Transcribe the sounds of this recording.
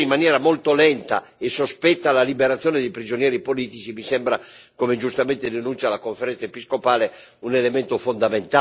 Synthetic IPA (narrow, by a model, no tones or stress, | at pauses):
imːanjɛːɾamolt̪olɛnt̪a̰ | esospɛt̪ːalalibeɾat̪sːjɔːned̪ejpɾid͡ʒonijɛːɾipoliːt̪it͡ʃimisɛmbɾakomed͡ʒust̪amɛnt̪ed̪enunt͡ʃ̪jalakoɱfeɾɛ̃nt̪saepiskopaːle | unelemɛnt̪ofond̪ament̪a